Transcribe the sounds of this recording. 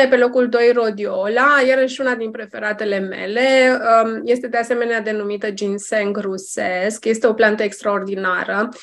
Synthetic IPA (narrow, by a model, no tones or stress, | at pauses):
epe̞lo̞kuld̪o̞jro̞d̪io̞lajeɾəʃunad̪inpɾe̞fe̞ɾat̪e̞le̞me̞̰le̞ | je̞st̪e̞d̪e̞ase̞me̞nead̪e̞numit̪əd͡ʒinseŋɡruse̞skje̞st̪e̞o̞plant̪əekst̪ɾao̞rd̪inaɾə